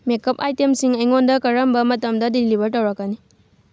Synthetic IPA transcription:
mekɐpajtemsiŋɐjŋondɐkɐɾɐmbɐmɐtɐmdɐdilibʱɐɾtɐwɾɐkːɐni

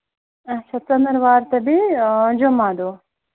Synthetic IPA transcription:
ɐt͡ʃʰat͡sɐnd̪əɾʋaːɾt̪ɐbid͡ʒomaːd̪o

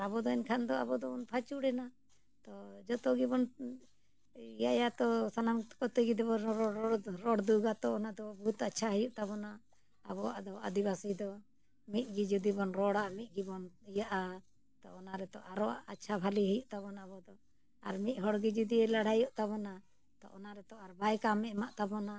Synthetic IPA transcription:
abɔd̪ɔɛnkʰand̪ɔabɔd̪ɔɔnpʰat͡ʃuɽɛna | t̪ɔd͡ʒɔt̪ɔɡibɔn | ijajat̪ɔsanamt̪kɔt̪əɡid̪ɛbɔɔɾɔɽd̪uɡat̪ɔːnad̪ɔbɔɦut̪atːt͡ʃʰaɦəjuʔt̪abɔna | a̰bɔa̰ʔd̪ɔa̰d̪ibasid̪ɔ | mit̪̚ˀɡid͡ʒud̪ibɔnɾɔɽamit̪̚ˀɡibɔnijaʔa | t̪ɔːnaɾɛt̪ɔʔaɾɔa̰ʔatːt͡ʃʰabʱaliɦəjuʔt̪abɔnabɔd̪ɔ | aɾmit̪̚ɦɔɽɡid͡ʒud̪iɛlaɽ̤ʱajɔʔt̪abɔna | t̪ɔ̰ʔɔnaɾɛt̪ɔaɾbajkamɛmaʔt̪abɔna

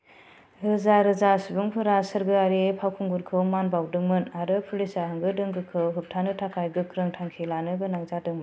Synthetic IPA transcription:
ɾɯzaɾɯzasibuŋpʰɯɾasɯɾɡɯaɾepʰawkʰuŋɡuɾkʰɯwmanbawdɯŋmɯnaɾɯpʰulisaɦɯŋɡɯdɯŋɡɯkʰɯwɦɯp̚tʰanɯtʰakʰajɡɯkʰɾɯŋtʰaŋkʰelanɯɡɯnaŋzadɯŋmɯn

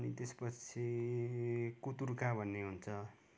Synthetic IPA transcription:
nit̪espʌt͡sʰi | kut̪urkabʱʌnːeɦunt͡sʰʌ

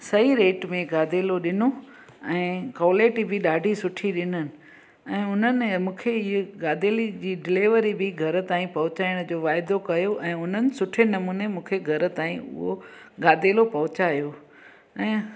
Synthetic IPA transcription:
sɐiɾeːʈmẽɡaːd̪ʱeːloɗɪno | ɛ̃ːkɔːleːʈibʱɪɗaːɖʱisʊʈʰiɗɪnənɪ̆ | ɛ̃ːʊn̤ənɪ̆mũːkʰeɪɡaːd̪eːlid͡ʑiːɖɪleːʋəɾibɪɡʱɐɾ̆t̪aːĩpɐɦʊt͡ɕaːɪɽ̃d͡ʑoːʋaːɪd̪okɐjoʔɛ̃ːʊn̤ənɪ̆sʊʈʰenɐmuːnemũːkʰeɡʱɐɾə̆t̪aːĩʊ̰ɦoɡaːd̪ʱeːlopɐɦʊt͡ɕaːjoː | ɛ̃ː

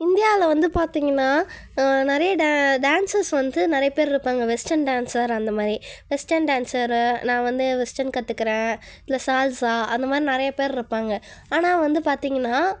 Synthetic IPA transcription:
ɪnd̪ɪjaːɪlɐʋɐnd̪ɯpaːɾt̪iːŋɡɐnːaː | nɪɾɐjɐɖaɖaːnsɐɾsʋɐnd̪ɯnɪɾɐjɐpeːɾɪɾɯpːaːŋɡɐʋɛsʈɐnɖaːnsɐɾɐnd̪ɐmaːd̪ɾiʋɛsʈɐnɖaːnsɐɾnãːʋɐnd̪ɯʋɛsʈɐnkɐt̪ːɯkːɪɾẽːɪlːɐsaːlsaːɐnd̪ɐmaːd̪ɾinɪɾɐjɐpeːɾɪɾɯpːaːŋɡɐaːnaːʋɐnd̪ɯpaːɾt̪iːŋɡɐnːaː

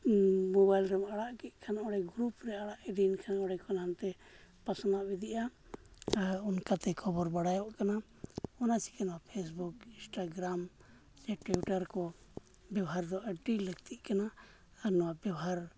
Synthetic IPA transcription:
mɔbajlɾɛmaɽaʔkiʔ̚kʰanaʔɔɽɛɡɾupɾɛaɽaʔɛdinkʰanaʔɔɽɛkɔnamt̪ɛpasɔnaʔbid̪iʔa | unkat̪ɛkʰɔbɔɾbaɽajaaʔkana | ɔnasi̥kɛnɔwapʰes̬bukinsʈaɡɾam | d͡ʒɛʈwiuʈaɾkɔ | bjawɦaɾd̪ɔʔaɖiləɡ̚t̪ʰiʔkanaː | ɾnɔwaʔbjawɦaɾ

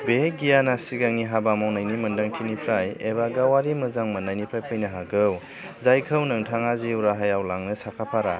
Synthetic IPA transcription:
beɡijanasiɡaŋiɦabamawnajnimɐndaŋtʰinipʰɾajeβaɡawaɾimɯzaŋmɐnajnipʰɾajpʰajnɯɦaɡɯw | zajkʰɯwnɯŋtʰaŋaziuɾaɦajawlaŋnɯsakʰapʰaɾa

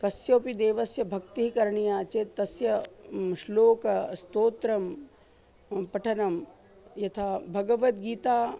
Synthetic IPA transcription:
kɐsjoːpid̪eːʋɐsjɐbʱɐkt̪iɦikɐɾɐɳijaːt͡ʃeːt̪ːɐsjɐʃloːkɐst̪oːt̪ɾɐm | pɐʈʰɐnɐm | jɐt̪ʰaːbʱɐɡɐʋɐt̪̚ɡiːt̪aː

